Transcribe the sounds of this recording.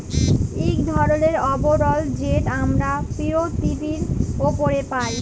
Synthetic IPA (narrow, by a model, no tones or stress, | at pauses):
ekd̪ʱɔɾoneɾɔboɾɔld͡ʑeʈamɾapiɾot̪ːipiɾopoɾepaj